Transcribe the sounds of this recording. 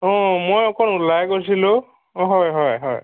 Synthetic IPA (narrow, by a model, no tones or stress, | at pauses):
ɔ̃mojɔkʰɔnulajkos̬ilʊ̃ | ɦɔjɦɔjɦɔj